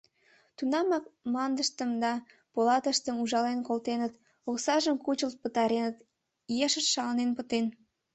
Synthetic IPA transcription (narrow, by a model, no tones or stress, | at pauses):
t̪unɑmɑk̚mɑnd̪əʃt̪əmd̪ɑ | polɑt̪əʃt̪əmuʒɑlenkolt̪enət̪ | oksɑʒəmkut͡ɕəlt̪̚pət̪ɑɾenət̪ | jeʃəʃʃɑlnenpət̪en